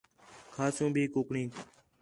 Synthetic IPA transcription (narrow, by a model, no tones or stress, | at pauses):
kʰaːsũːbʱiːkoːkɳĩː